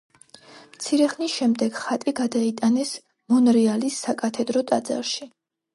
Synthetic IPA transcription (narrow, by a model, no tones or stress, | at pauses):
mt̪sʰiɾɛχnisʃɛmd̪ɛɡ̥χat̪ʼiɡad̪ait̪ʼanɛs | mɔnɾialisːakʼat̪ʰɛd̪ɾɔt̪ʼad̪za̰ɾʃi